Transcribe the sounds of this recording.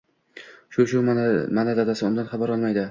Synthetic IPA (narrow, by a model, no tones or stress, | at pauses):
ʃʊʃʊmanad̪ad̪asɪʊmd̪anχɑbaɾɒlˠmajd̪ɪ